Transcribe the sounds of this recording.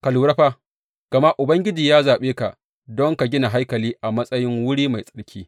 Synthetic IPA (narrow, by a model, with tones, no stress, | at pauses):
ka˨luː˨ɾɐ˦ɸa˦ | ɡ̥ɐ˨ma˦ʔʊ˨bɐ˦ŋɡʲɪ˦d͡ʒiː˨jaː˦zaː˨ɓeː˦ka˨ʔ | dɔ˦ŋka˨ɡʲɪ˦na˨ɦa˦jkɐ˨liː˦ʔa˨mɐ˦sʼɐ˦jɪ˦ŋwʊ˦ɽiː˦ma˨jsʼɐ̥˦ɽkʲʰiː˦